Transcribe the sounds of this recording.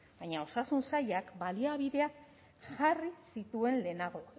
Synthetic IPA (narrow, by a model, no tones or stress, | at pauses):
baɲao̞sasunsajakbaliaβiðe̞ak | ʝarisit̪ue̞nle̞naɣ̞o̞